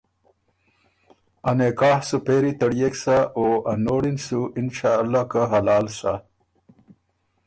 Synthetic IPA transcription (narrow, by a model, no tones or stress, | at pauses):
anekaːhsupeːɾit̪ɐɽjeksaʔoanoɽinsuɪnʃaːlːaːkaɦalɑːlsa̰